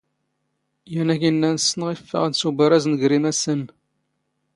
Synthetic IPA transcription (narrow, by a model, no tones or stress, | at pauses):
jænæçinːænsənəʁifːə̰ʁnsubəɾæznəɡɾimæsən